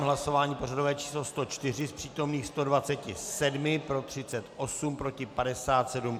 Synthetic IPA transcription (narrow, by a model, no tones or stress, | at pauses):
mɦlaso̞vaːɲiːpo̞radovɛːt͡ʃi̥ːslost̪o̞t͡ʃt̪ɪr̝ɪspr̥iːt̪o̞mniːxst̪o̞dvat͡sɛcɪsɛdmɪpɾo̞t̪r̝̥ɪt͡sɛt̪ʔo̞sumpɾo̞cɪpadɛsaːt̪sɛdum